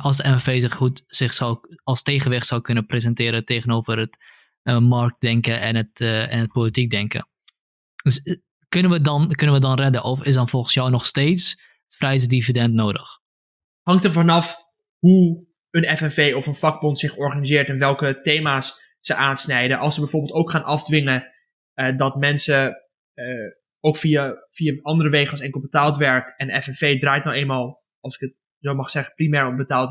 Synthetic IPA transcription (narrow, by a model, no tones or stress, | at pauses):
ʔɑlˠsdəɛmɛfeːsɪχhutsɪχsɔwlˠsteːχənʋɪχtsɔwkønəprezɛntɪːɾəteːɣənoːvərət | mɑrk̚tdɛŋkəʔɛnətɛnət̚poːlitik̚dɛŋkə̰ | døs | kɵnənʋədɔnkɵnənʋədɔnrɛdəʔɔfɪs̬dɔnfɔlˠχən̩sjɔwnɔχsteːts | frɛjsdifidɛntnoːdəx | hɑŋktəvɑnɑf | ɦu | ənɛfɛnfejɔfənfɑɡ̚bɔntsɪχɔɹχanizɪːɹtɛnʋɛlˠkətejmaːs | səʔaːnsnɛjdəʔɑlˠsəbɛjvoːɹbɪlˠtowkχaːnʔɑfdʋɪŋə | dɑtmɛnsə | owkfiafiaɑndərərejχəlˠsɛnkbətaːlˠtʋɛɹkɛnənɛfɛnfejdraːjtnɔwejnmaːlˠ | ɑlˠsɪ̥kət̚ | zowmɑχsɛχəprimɛːɹɔmbətaːlˠt